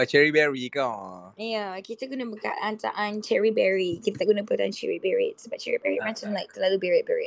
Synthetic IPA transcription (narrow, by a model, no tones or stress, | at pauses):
at͡ʃɛɹibɛɹikawjakit̪akunəbəka̰tant̪a̰ʔãnt͡ʃɛɹibɛɹikit̪at̪aʔkɡunabəat̪aant͡ʃɛ̰ɹibɛɹḭtsəbaʔ̚t͡ʃɛɹibɛɹimãt͡ʃamlaɪk̚t̪əlalubɛɹɪt̚bɛɹḭ